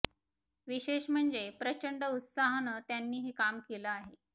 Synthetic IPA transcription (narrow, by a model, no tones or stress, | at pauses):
ʋiɕeɕm̤əɳd͡zepɾət͡ɕəɳɖəut̪saɦənət̪janːiːɦekamkeləaɦe